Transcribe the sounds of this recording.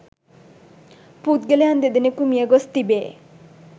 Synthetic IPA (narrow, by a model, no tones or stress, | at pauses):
put̪̚ɡeleand̪ed̪inekumijəɡɔst̪ibe